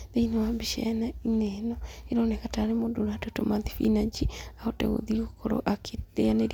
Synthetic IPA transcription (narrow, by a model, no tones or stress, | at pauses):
ðeinewambiʃɛ̰nainenɔeɾonekataɾemodoɾatotomaðifḭnad͡ʒiaotɛ̰ɣo̰ðiokoɾo̰ʔakeeaneɾ